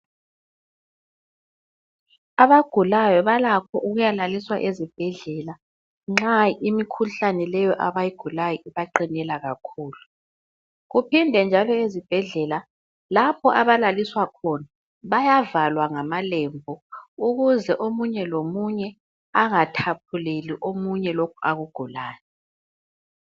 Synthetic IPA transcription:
aβaɡ̥ʱulajɔβalakʰɔʔuɣujalaliswaʔezib̥ʱɛɮɛla | ŋ͡ǁaimikʰuɬanɛlɛjɔʔaβajiɡ̥ʱulajɔʔiβaǃinɛlaɣakʰuːlu | ɣupʰindʱɛnd͡ʒʱalɔezib̥ʱɛɮɛla | lapʰɔʔaβalaliswakʰɔna | βajavalwaŋamalɛmbʱɔuɣuzɛʔomuɲɛlomuɲɛ | aŋatʰap̚ʰuleliʔomuɲɛlokʰuaɣuɡ̥ʱulaːnɛ

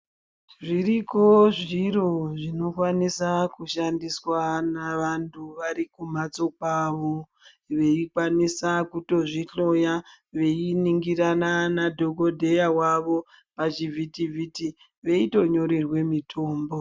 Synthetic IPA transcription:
ʐiriko̞ʐiro̞ʐino̞kwanisakuʃandiswanaʋantʰuʋaɾikum̤at͡so̞kwaːʋo | ʋe̞ikwanisakuto̞ʐiɬo̞ja | ʋe̞iniŋɡiɾananadʱo̞kodʱejawaʋo̞ | pat͡ʃivʱitivʱiti | ʋe̞ito̞ɲo̞ɾe̞rwe̞mitʰo̞ːmbo

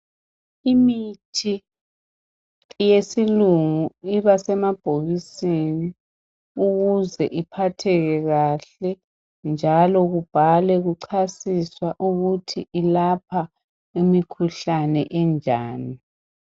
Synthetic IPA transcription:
imitʰi | jesiluŋuiβasɛmab̥ʱoβiseni | uɣuzɛʔipʰatʰɛɣɛɣaɬɛ | nd͡ʒʱalɔɣub̥ʱalɛɣuǀʰasiswaʔuɣutʰiʔilapʰa | imikʰuɬanɛʔɛnd͡ʒʱaːni

